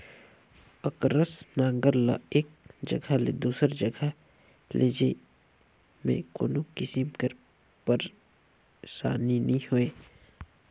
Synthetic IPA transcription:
əkɾəsnãːŋɡəɾla̰eːk̚d͡ʒə̰ɡʱalḛd̪uːsəɾd͡ʒəɡʱa | lʔeːd͡ʒe | mḛ̃ko̰ːnukisimkəɾ | pəɾ | sa̰ːninəĩhoeː

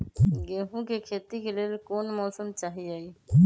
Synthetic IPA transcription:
ɡeːɦũkekʰeːt̪ikeleːlkoːnmɔːsəmt͡ʃaːɦiaːiː

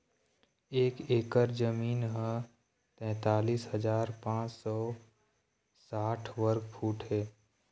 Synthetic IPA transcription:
eːkeːkəɾd͡ʒəmiːnɦə̃ | t̪ɛ̃ːt̪aːliːsɦəd͡ʒaːɾpãːt͡ʃsɔː | saːʈʰʋəɾɡpʰuːʈɦeː

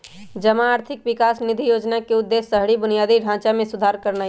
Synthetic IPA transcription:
d͡ʒəmaːɾt̪ʰɪkʋɪkaːsnid̪ʱijoːd͡ʒnakeʊd̪ːesːəɦɽibʊnijaːd̪iɖʱãt͡ʃamẽsʊd̪ʱaɾkəɾna

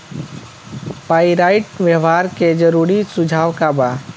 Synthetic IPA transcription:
paːiɾaːɪʈʋjəʋaːɾked͡ʒəɾuːɾisʊd͡ʒʱaːʋkabaː

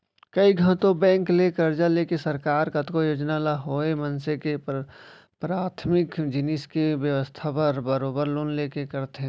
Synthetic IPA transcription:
kɐiɡʱə̃t̪õbɛ̃ːŋklekɐɾd͡ʒaleːkesɐɾkaːɾkɐt̪kojoːd͡ʒnalaɦoːemɐnseke | pɾaːt̪ʰmɪkd͡ʒɪnɪskiʋjəʋəst̪ʰapɐɾbəɾoːbəɾloːnleːkekɐɾt̪ɦɛ̃

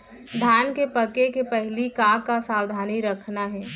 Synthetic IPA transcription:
d̪ʱaːnkepɐkekepɛɦlikãːkasaːwd̪ʱaːniɾɐkʰnaɦɛː

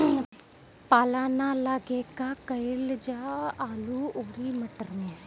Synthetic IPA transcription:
paːlaːnaːlaːɡeːkaːkəɪld͡ʒaːaːluːoːɾiːməʈəɾnẽː

